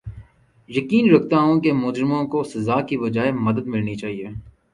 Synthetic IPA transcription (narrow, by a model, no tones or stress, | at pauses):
jɐkiːnɾɐkʰt̪aɦõkemʊd͡ʒɾɪmõkosɐzaːkiʋɐd͡ʒaːemɐd̪əd̪mɪlnit͡ʃaːɦieː